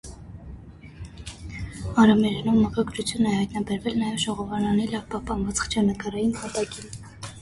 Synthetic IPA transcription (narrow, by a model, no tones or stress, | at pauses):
ɑɾɑmɛɾɛnumːəkɑɡɾut͡sʰjunɛhɑjt̪nɑbɛɾvɛlnɑjɛvʒɔʁɔvɑnɑnilɑvpɑhpɑnvɑt͡sχt͡ʃʰɑnəkɑɾɑjinpɑt̪ɑkin